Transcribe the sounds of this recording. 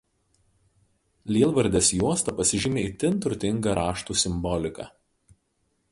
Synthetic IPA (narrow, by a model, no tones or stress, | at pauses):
lʲiːlˠʋɐɾʲd̪ʲeːsjuɔst̪ɐpɐsʲɪʒʲɪmʲeːiːt̪ʲɪnt̪ʊɾʊt̪ʲɪŋɡɐɾʔɑːʃt̪uːsʲɪmbɔlʲɪkɑ̰